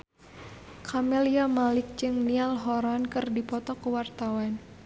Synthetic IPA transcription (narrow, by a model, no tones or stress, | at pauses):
kʰamɛliamalɪk̚t͡ʃɨŋnialɦɔɾankɨrdipɔt̪ɔkəwart̪awan